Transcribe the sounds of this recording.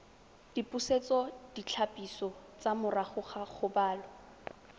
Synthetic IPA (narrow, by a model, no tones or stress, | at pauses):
d̥ipʼuset͡sɔd̥it͡ɬʰapʼisɔt͡samʊraχʊχaχʊbaːlɔ